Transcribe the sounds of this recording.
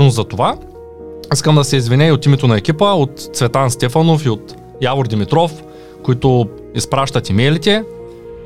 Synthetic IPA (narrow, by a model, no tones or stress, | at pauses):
nozzɐt̪ova | iskəmd̪ɐsɛizvinʲɛiot̪imɛt̪onɐɛkʲipəot̪t̪svɛt̪anst̪ɛfɐnofiot̪ | javoɾd̪imit̪ɾɔf | koit̪o | ispɾaʃt̪ɐt̪imɛlit̪ɛ